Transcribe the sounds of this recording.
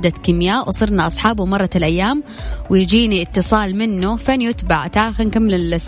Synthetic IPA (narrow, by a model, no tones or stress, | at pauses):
d̪at̪kɪmjaːʔwsˤɨɾnaʔɑsˤħɑːbumɑrˤːɑlʔajːaːm | wjd͡ʒiːniʔɪt̪ːɨsˤɑːlmɪnːufanjʊt̪baʕt̪ʕaːxɪnkamːɪlɪls